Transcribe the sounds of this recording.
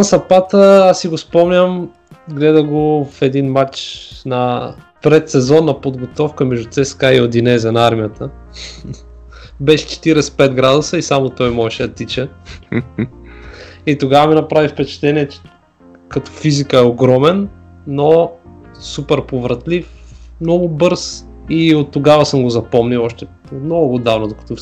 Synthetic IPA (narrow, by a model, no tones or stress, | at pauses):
sɐpat̪əasːiɡospɔmnʲəm | ɡlɛd̪əɡofɛd̪inmat͡ʃnɐ | pɾɛt̪sɛzɔnːɐpod̪ɡot̪ɔfkəmɛʒd̪ut̪sɛskaiod̪inɛzʲɛnɐaɾmijət̪ə | bɛʃɛ̥t͡ʃɛ̥t̪iɾɛspɛt̪ɡɾad̪usəisamot̪ɔjmɔʃɛɐt̪it͡ʃə | it̪oɡavəminɐpɾavifpɛt͡ʃɛ̥t̪ɛniɛt͡ʃɛ̥ | kɐt̪ɔ̥fizikəɛoɡɾɔmɛnː | o | supɛɾpovɾɐt̪lifmnɔɡʊbɤɾs | iot̪ːoɡavəsɤmɡozɐpɔmniɔʃt̪ɛ | nɔɡʊɡod̪avnod̪okɐ̥t̪ɔ